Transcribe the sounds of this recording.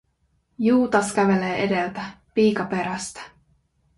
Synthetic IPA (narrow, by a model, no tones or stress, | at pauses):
juːt̪ɑsk̟æʋe̞le̞ːʔe̞de̞lt̪æ | piːkɑpe̞ɾæst̪æ̥